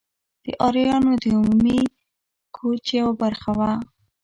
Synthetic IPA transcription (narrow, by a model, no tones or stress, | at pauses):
d̪̥əʔɑɾijɑnod̪əumumi | kʰot͡ʃawbaɾxawa